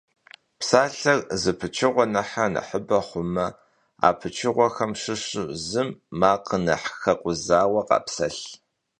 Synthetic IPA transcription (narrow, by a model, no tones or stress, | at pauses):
psaːɬɐrzɨpʰɨt͡ʃʰɪʁʷɔnɐħanɐ̰ħəbɐχʷʊmɐ | a̰ːpʰɨt͡ʃʰɪʁʷɔxɐmʂɨʂɨzɨmːaːqənɐħxɐqʷʊzaːwɐqɑ̰ːpsɐɬ